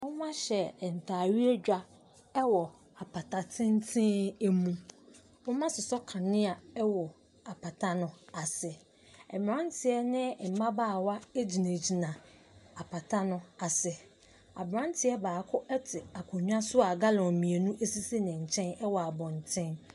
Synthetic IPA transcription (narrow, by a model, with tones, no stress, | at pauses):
wʊ̃˦mã˦ɕɛ˨n̩˨tʰaː˨ɥi˦e˦d͡ʑᶣa˦ | ɛ˦wɔ˨ | a˨pʰa˨tʰa˨tʰɪ̃˦n˦tʰɪ̃˦e˦mũ˦ | wʊ̃˦mã˦sɪ˨sɔ˦kʰã˨nɪ̃˦a˨ɛ˦wɔ˨ | a˨pʰa˨tʰa˦nʊ̃˨a˨sɪ˨ | ɛ˨m˨ã˦n˦tʰɪ˨ɛ˦nɪ̃˦˨m̩˨mã˦baː˦˨wa˦e˦d͡ʑi˨nã˨d͡ʑi˨nã˨ | a˨pʰa˨tʰa˦nʊ̃˨a˨sɪ˨ | a̰˨bɾã˦n˦tʰɪ˦ɛ˦baː˨kʰʊ˦ʔɛ˦tʰɪ˨a˨kʰʊ˨ɲᶣ˦ã˦sʊ˦a˨ɡa˦lɔ̃˨mĩ˨e˨nũ˦ʔe˦si˦se˦nɪ̃˨ɲ̩˨t͡ɕʰɛ̃˦nɛ˦wɔ˨a˨bɔ̃˨n˨tʰɪ̃˦n